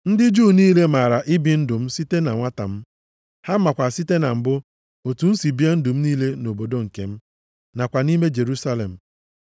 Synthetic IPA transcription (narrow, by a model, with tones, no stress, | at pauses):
n̩˦dɪ˦d͡ʒuː˦˨niː˦le˦ma˨ɾa˨ʔɪ˦bɪ˨n̩˦dʊ˨m̩˦si˦te˦na˨ŋʷa˦ta̰˨m̩˦ | ha˦m̩˦ma˨kʷa˨si˦te˦na˨m̩˨bʊ˦ | o˨tu˨n̩˦si˨bi˦a˦n̩˦dʊ˨m̩˦niː˦le˦no˨bo˨do˦ŋ̩˨ke˦m̩˦ | na˨kʷa˨ni˦me˦d͡ʒe˨ɾu˦sa˦lḛ˨m̩˨